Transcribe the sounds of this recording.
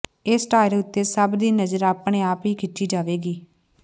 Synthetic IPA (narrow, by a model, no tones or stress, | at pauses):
eːsʈaːɪɾeːʊt̪ːeːsəbd̪iːnəzəɾaːpɳ̃eːaːpɦiːkʰɪʈʃiːd͡ʒaːʋeːɡiː